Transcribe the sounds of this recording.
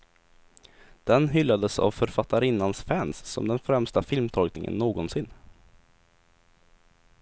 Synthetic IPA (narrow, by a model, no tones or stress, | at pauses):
d̪̥ɛnɦʏlːad̪əsa̰vfœɾfat̪ːaɾɪnːansfɛnsːɔ̰md̪ɛnfɾɛmst̪afɪlmt̪ʰɔlknɪŋə̰nːoːɡɔnsɪnː